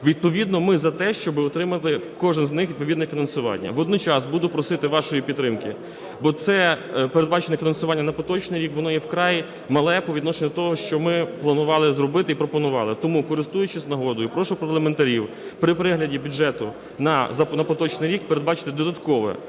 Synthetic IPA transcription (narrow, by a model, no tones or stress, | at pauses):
ʋʲid̪̚pɔʋʲid̪nɔmɪzɐt̪ɛʃt͡ʃɔbɪɔt̪ɾɪmɐt̪ˠɪkɔʒɪnznɪxʋʲid̪pɔʋid̪nɛfʲinɐnsʊʋɑ̰nʲːɐ̰ʋɔd̪nɔt͡ʃɑsbud̪ʊpɾɔsɪt̪ɪʋɑʃɔjipʲid̪ːɾɪmkɪ | bɔt̪sɛpeɾed̪̚bɑt͡ʃenʲɛfʲinɐnsʊʋɑnʲːɐnɐpɔt̪ɔt͡ʃnɪjɾʲikʋɔnɔjɛwkɾɑj | mɐlˠɛpɔʋʲid̪nɔʃenʲɛt̪ɔɦɔʃt͡ʃɔmɪplˠɐnʊʋɑlˠɪzɾɔbɪt̪ɪipɾɔpɔnʊʋɑlˠɪt̪ɔmukɔɾɪst̪ujʊt͡ʃɪznɐɦɔd̪ʊjʊpɾɔʃʊpɐrlˠɐment̪ɐɾʲiw | pɾɪpɾɪɦlʲɐdʲibʲudʒɛt̪ʊ | nɐzɐnɐpɔt̪ɔt͡ʃnɪjɾʲik̚peɾed̪bɑt͡ʃɪ̥t̪ɪd̪ɔd̪ɐt̪kɔʋɛ̰